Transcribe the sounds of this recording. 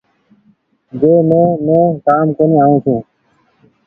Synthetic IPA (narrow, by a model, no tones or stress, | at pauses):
d͡ʒeːmẽːmẽːkaːmkoːniːaːɦũːt̪ʰũː